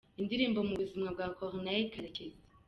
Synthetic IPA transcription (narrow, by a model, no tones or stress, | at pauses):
indiɾiːmbomuβuzimŋabɡakʰoʁnakʰaɾekeze̥